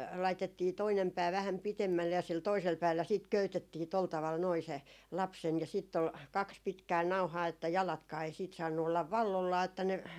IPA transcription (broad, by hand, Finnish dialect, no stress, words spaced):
lɑitetːiː toinem pæː ʋæhæm pitemːælːe jɑ sil toisel pæːlːæ siːt køytetːiː tol tɑʋɑl noi se lɑpsen jɑ siːtː ol kɑks pitkæː nɑu̞hɑː etːæ jɑlɑtkɑː ei siːt sɑːnːu olːɑʋ ʋɑlːolːɑː etːæ ne